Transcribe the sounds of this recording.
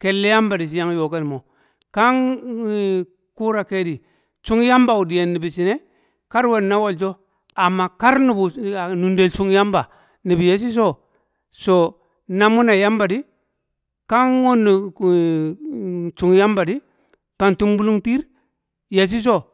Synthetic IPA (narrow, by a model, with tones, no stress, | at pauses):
ke˨lːe˦ja˦mba˨di˨s̬i˨˦ja˦ŋ˦jo˨ka˦di˨mo˨ | ka˦ŋ | ku˦ɾa˨ke˦di˨ | t͡ʃu˦ŋ˦ja˦mba˨u˨di˨je˨nːi˨bi˨si˨ne˦ | ka˦ɾwe˦˨dna˦wo˨ld͡ʒo˦ | a˨mːa˨ka˦ɾnu˨bu˨nu˨nde˨lt͡ʃu˦ŋ˦ja˦mba˨ | ni˨bi˨je˨s̬i˦s̬o˦ | so˨ | na˦˨mu˦na˨ja˦mba˨di˦ | ka˦ŋwo˦nːi˨ | t͡ʃu˨ŋja˦mba˨di˦ | pa˦˨ntu˦mbu˦lu˦ŋti˦ɾ | je˨s̬i˦s̬o˦˨